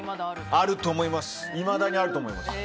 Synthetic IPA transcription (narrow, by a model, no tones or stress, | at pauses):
aɾɯ̟t̪o̞ːmo̞imasɨ̥ | imad̪aɲ̟iaɾɯ̟t̪o̞ːmo̞ima̰sɨ̥